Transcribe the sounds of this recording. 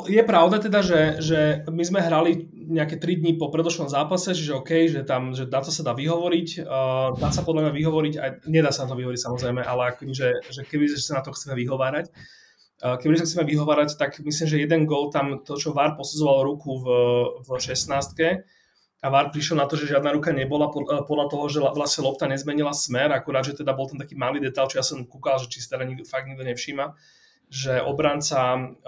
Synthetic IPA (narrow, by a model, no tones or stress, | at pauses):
jɛpɾaʊd̪at̪ɛd̪aʒɛʒɛmizmɛɦɾali | ɲɛakɛt̪ɾid̪ɲipɔpɾɛd̪ɔʃnɔmzaːpasɛt͡ʃiʒɛɔkɛjʒɛt̪amʒɛnat̪ɔsad̪aːʋiɦɔʋɔɾicːd̪aːsapɔd̪lamɲaʋiɦɔʋɔɾiɟaɲɛd̪aːsanat̪ɔʋiɦɔʋɔɾicsamɔzɾɛjmɛʔalɛakɔ̥kɛbiʒɛʒɛkɛbiɛsanat̪ɔxt͡sɛmɛʋiɦɔʋaːɾacː | kɛbiis̬axt͡sɛmɛʋiɦɔʋaːɾact̪akmis̬limʒɛjɛd̪ɛnɡɔlt̪amt̪ɔt͡ʃɔʋaɾpɔsud͡zɔʋalɾukuvvʃɛsnaːst̪̚kɛ | aʋaɾpɾiʃjɛlnat̪ɔʒɛʒɪad̪naɾukaɲɛbɔlapɔpɔd̪lat̪ɔɦɔʒɛaʋlasɲɛlɔp̚t̪aɲɛzmɛɲilasmɛɾakuɾaːd̪ʒɛt̪ɛd̪abɔlˠt̪amt̪akiːmaliːd̪ɛt̪aʎlt͡ʃɔjasɔmkukalʒɛt͡ʃi̥si̥t̪ɛd̪aɲifaɡd̪ɲiɡd̪ɔɲɛfʃiːma | ʒɛʔɔ̰bɾant͡sa